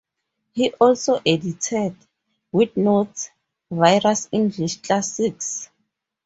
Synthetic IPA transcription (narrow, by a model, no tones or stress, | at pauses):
hiʔɔlsoʔeditʰɛd | widnots | vajrasĩnd͡ʒiʃkasiks